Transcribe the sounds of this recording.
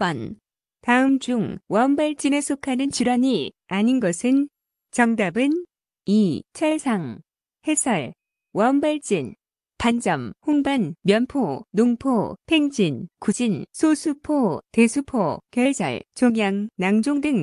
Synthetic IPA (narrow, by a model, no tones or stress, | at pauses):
pʌn | taɯmd͡ʑuŋwʌɯmbaɭt͡ɕ͈ine̞sʰokʰanɯnt͡ɕiɾwaɲi | aɲinɡʌsʰɯn | t͡ɕʌŋdabɯn | it͡ɕʰʌɭsʰaŋ | he̞sʰʌɭ | wʌɯmbaɭt͡ɕ͈in | pand͡ʑʌmhoŋbanmjʌnpʰonoŋpʰopʰe̞ŋd͡ʑinkud͡ʑinsʰosʰupʰote̞sʰupʰokjʌɭsʰʌ̰ɭt͡ɕoŋjaŋnaŋd͡ʑoŋdɯŋ